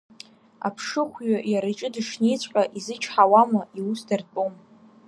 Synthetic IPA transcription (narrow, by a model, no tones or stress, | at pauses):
a̰pʰʂɨχʷɥajaɾat͡ʃʼɪdɨʂnejt͡sʷʼqʼaʔizɨt͡ʃʰħawamaiusdarpʼom